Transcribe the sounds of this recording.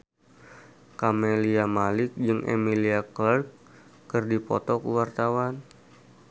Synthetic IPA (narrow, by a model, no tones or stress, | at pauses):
kameliamalɪk̚d͡ʒɨŋʔḛmiliaklarkː | ɨrdipɔ̰t̪ɔkuwart̪awan